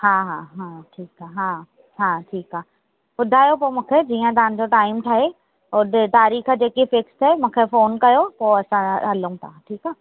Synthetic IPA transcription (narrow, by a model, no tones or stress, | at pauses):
hãːɦãːɦãːʈʰiːkaɦãː | ɦãːʈʰiːkɦaː | bʊd̪ʱaːjop̬oːmũːkʰed͡ʑiːãt̪̬aə̃nd͡ʑoʈaːɪmʈʰaːɦe | ʊt̪aːɾiːxd͡ʑeːkifɪkst̪ʰɛmũːkʰefoːnkɐjopoːɐsãɦɐlũt̪ãːʈʰiːkaː